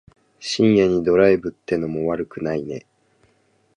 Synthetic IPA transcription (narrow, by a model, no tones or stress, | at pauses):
ɕĩɰjẽɲ̟ːid̪o̞ɾaebɯ̟t̪ːe̞no̞mo̞βaɾɯ̟kɯ̟naine̞̰